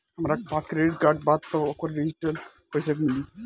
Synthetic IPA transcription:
hɐmɾapaːskɾeɖiʈ̚kaːɾɖbad̪t̪ookʋaɾɖid͡ʒiʈɐl | pəjsəkmili

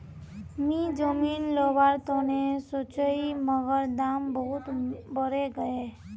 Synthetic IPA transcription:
mĩd͡ʒəmiːnlobaːɾt̪oːnesot͡ʃəiməɡəɾd̪aːmbəɦʊt̪bəɾeɡəe

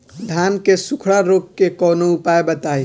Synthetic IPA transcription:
d̪ʱaːnkesʊkʰɽaɾoːkkːekɔːnoʊpaːebɐt̪aːe

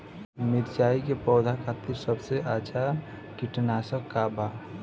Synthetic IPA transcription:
mɪɾt͡ʃaːikepɔːd̪ʱakʰat̪iɾsəbʱseat͡ʃʰa | kiʈnasəkːaba

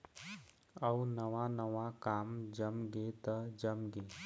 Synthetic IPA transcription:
əwnəʋanəʋakaːmd͡ʒəmɡet̪əd͡ʒəmɡeː

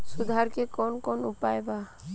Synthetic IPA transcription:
sud̪ʱaɾkekɔnkɔnupajba

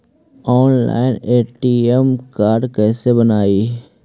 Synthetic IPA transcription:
ɔːnla̰ːɪneːʈiemkaːɾɖkɛːsebənaːi

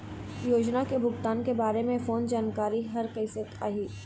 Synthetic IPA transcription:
joːd͡ʒnakebʱʊɡt̪aːnkebaːɾemẽfoːnd͡ʒaːnkaːɾiɦɐɾkəɪsət̪aːɦiː

